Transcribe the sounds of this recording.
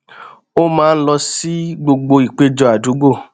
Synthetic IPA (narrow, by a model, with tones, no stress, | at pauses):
o˦mãː˦˧n̩˦lɔ˧si˦ɡ͡bo˧ɡ͡bo˧i˨k͡pe˧d͡ʒɔ˧a˨du˨˦ɡ͡bo˦˨